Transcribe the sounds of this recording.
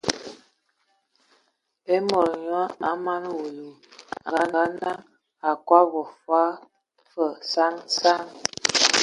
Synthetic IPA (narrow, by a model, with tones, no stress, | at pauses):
e˦mɔ˨ɾɲwa˦a˦ma˦n˦wo˨lu˨ | a˨ɡa˦ɡa˦na˦ŋ | a˨kwa˦vɔ˨fwa˦ | fə˨sa˦ŋsa˦ŋ